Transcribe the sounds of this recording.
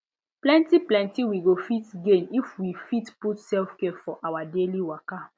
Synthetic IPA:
plɛ̃ntiplɛ̃ntiwiɡofitɡenifwifitputsɛlfkɛfɔʔawadeliwɔka

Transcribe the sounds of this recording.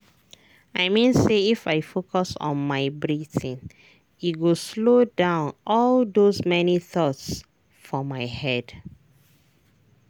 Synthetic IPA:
aɪmĩnseifaɪfokʰɔsɔ̰̃nmaɪbɹiθĩn | itɡoslodãʊ̃nɔlðozmɛniθɔts | fɔmaɪhɛd̥

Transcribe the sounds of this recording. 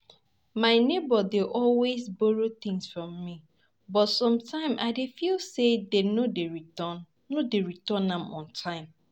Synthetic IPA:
maɪnebɔdeʔɔlwezbɔɹot̪ɪ̃ŋsfɹɔ̃mːi | bɔtsɔ̃mtʰãɪ̃mʔa̰ɪdefilsedenodeɹiɔnː | odeɹitɔnãmɔ̰̃ntʰãɪ̃m

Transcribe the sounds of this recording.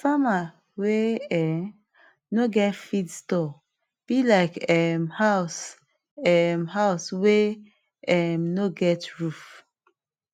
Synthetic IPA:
sama | weɛm | noɡɛtfidstɔ | b̥ilaɪkɛmhaʊs | ɛmhaʊswe | ɛmnoɡɛtɹuf

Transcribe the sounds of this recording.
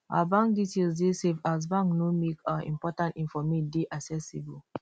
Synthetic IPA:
a̰bãŋk̚ditelzdesevaz̬bãŋknomekãḭ̃mpɔtãntĩnfɔmideʔaksɛsibul

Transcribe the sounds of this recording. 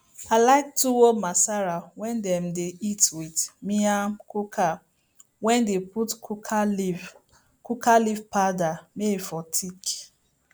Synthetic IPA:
alaɪk̚tuwomasaɹawɛ̃ndɛ̃mdeitwidmiamkukʰa | wɛ̃ndeputkʰukʰali | kukalivpadamefɔtʰik

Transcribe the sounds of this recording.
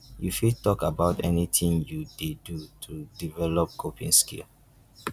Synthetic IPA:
jufid̚tɔkabaʊtɛ̰nitʰĩŋjudedutʰudivɛlɔp̚kʰopʰḭ̃ŋskḭl

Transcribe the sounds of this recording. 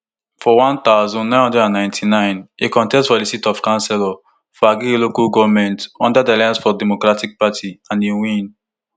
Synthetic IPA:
fɔwãnt̪aʊzɔ̃nnːãɪ̃nhɔ̃ndɛdãnːãɪ̃ntʰinãɪ̃nekɔ̃ntɛstfɔdisitɔfkãnsɛlɔ | fɔaɡielokalɡɔvmɛ̃ntɔ̃ndadialajãnsfɔdɛmokɹatik̚patʰiãnewĩn

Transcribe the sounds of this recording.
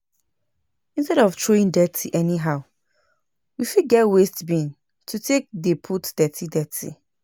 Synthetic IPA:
ĩnstɛɾɔvtʰɹoĩŋdɛtʰiʔɛniɦaʊ | wifiɡɛtwestbĩn | tʰutʰek̚depʰutd̥ɛtʰidɛtʰḭ

